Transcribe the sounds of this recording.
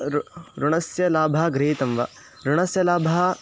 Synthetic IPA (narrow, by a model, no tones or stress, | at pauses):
ɾɾuɳɐsjɐlaːbʱɐɦɐɡɾiɦit̪ɐmʋɐ | ɾuɳɐsjɐlaːbʱɐɦɐ